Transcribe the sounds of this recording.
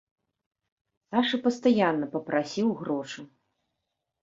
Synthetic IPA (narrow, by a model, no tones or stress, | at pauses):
aʂɨpɐst̪ajanːɐpɐpɾʔasʲiwɣɾɔʂɨ